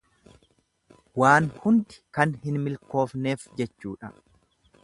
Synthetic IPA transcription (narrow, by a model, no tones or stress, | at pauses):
waːnhʊnd̪ɪ̥kɐnhɪnmɪlko̞ːfne̞ːfd͡ʒɛt͡ʃːuːᶑɐ